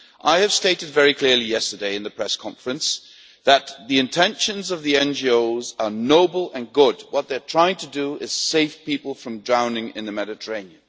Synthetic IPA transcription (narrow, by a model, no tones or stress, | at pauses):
ʔaɪɨv̥steɪɾɨdvɛɹikʰl̥ɪɹlˠijɛstə˞deɪɨ̃nðɨpʰɹ̥ɛskʰɑ̃ɱfɹɨ̃ns | ðət̪̚ðiɨ̃ntʰɛ̃nʃɨ̃nzʌvðiɛ̃nd͡ʒioʊzə˞noʊbl̩ˠə̃nɡʊd̚wʌt̪̚ðə˞tʰɹ̥aɪɪ̃ŋtʰɨdəɪz̥seɪfpipl̩ˠfɹʌ̃mdɹãʊ̃nɪ̃ŋɨ̰̃nðɨmɛɾɨtʰə˞ẽɪ̃niɨ̃n